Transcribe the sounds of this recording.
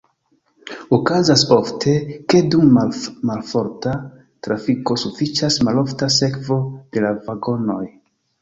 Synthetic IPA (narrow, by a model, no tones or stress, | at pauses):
okazasoftʰe̞ke̞dummalfo̞ɾta | tɾafiko̞sufit͡ʃasmalo̞ftase̞kvo̞d̥e̞lavaɡo̞no̞j